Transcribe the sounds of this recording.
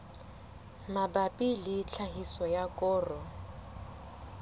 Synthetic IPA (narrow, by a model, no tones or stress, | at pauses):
mabapʼilɪt͡ɬʰaɦisɔjakʼɔːrɔ